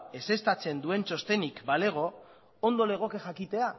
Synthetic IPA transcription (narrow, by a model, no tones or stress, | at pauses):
e̞se̞st̪at͡se̞nd̪ue̞nt͡ʃo̞st̪e̞nikbale̞ɣ̞o̞ | ond̪o̞le̞ɣ̞o̞ke̞xakit̪e̞a